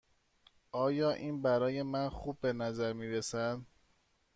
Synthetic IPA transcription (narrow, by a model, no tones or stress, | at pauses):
ɒːjɒːʔiːnbæɾɒːje̞mænxubːe̞næzæɾmiːɾesæd̪